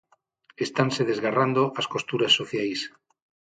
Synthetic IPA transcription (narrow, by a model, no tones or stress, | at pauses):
est̪anseðezɣarand̪oʔasko̞st̪uɾasːoθjajs